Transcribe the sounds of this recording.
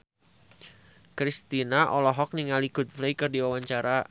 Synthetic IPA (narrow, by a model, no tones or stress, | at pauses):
kɾist̪inaʔɔlɔɦɔk̚niŋaliɡ̥ut̪̚fleikərdiwawaɲt͡ʃaɾa